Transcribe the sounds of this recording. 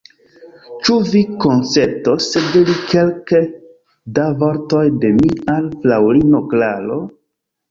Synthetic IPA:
t͡ʃuviko̞nt͡se̞ɾtosedelikʰe̞lke | davo̞ɾto̞jde̞mialflawɾinoklalo

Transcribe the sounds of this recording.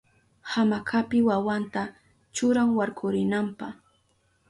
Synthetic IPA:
hamakʰapɪwawant̪a | t͡ʃʊɾaŋwaɾkʰʊɾɪnampaχ

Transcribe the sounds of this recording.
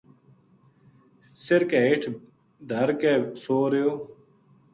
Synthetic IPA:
sɪɾkeːɪʈʰ | d̪ʱəɾkeːsoːɾejoː

